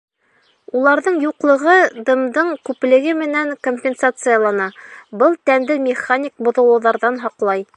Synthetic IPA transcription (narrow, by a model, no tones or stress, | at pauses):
ulˠɑɾðɤɴjuqlˠɤ̆ʁɤd̪ɤ̆md̪ɤɴkʉplɘ̆ɡɘmɘ̆næŋkomʲpʲɪnsat̪sɨjalˠɑnɑbɤlˠt̪ænd̪ɘmʲɪχanʲik̚bŏðɤ̆lˠɤ̆wðɑɾðɑnɦɑqlˠɑj